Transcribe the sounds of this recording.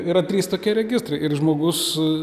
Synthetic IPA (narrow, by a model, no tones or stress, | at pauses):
iːɾɐt̪ʲɾʲiːst̪oːkʲiɛɾʲɛɡʲɪst̪ɾɐɪɪrʒmoːɡʊs